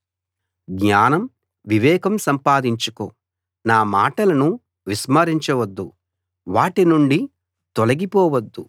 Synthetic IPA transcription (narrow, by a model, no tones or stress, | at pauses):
ɡɲaːnɐm | ʋiʋɛːkɐmsɐmpaːd̪iɲt͡ʃuko̰ː | naːmaːʈɐlɐnu | ʋismɐɾiɲt͡ʃɐʋɐd̪ːu | ʋaːʈinuɳɖi | t̪olɐɡipɔːʋɐd̪ːu